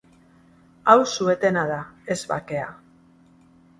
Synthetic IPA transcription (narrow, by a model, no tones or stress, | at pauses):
awsue̞t̪e̞naðae̞zβa̰ke̞a̰